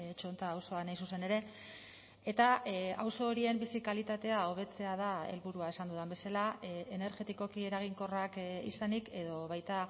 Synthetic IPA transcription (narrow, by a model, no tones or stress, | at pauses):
t͡ʃo̞nt̪aːwso̞anajs̬use̞ne̞ɾe̞ | e̞t̪aa̰wso̞ːɾie̞mbisikalit̪at̪e̞ao̞βe̞t͡se̞að̞ae̞̰lβuɾuae̞sand̪uðambe̞salaene̞ɾʝe̞t̪iko̞kie̞ɾaɣ̞iŋko̞rakḭsanike̞ðo̞β̞ajt̪a